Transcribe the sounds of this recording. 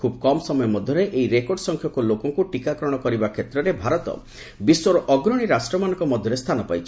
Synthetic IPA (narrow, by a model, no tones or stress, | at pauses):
kʰubɔkɔmɔsɔmɔjɔmɔd̪ʱjɔɾeʔejɾekoɾɖsɔŋkʰjɔkulokɔŋkuʈikakɾɔɽ̃ɔkɔɾibakʰet̪ɾɔɾebʱaɾɔt̪ɔ̰ | biswɔɾɔʔɔɡɾɔɽ̃iɾasʈɾɔmanɔŋkɔmɔd̪ʱjɔɾest̪ʰanɔpajt͡ʃʰ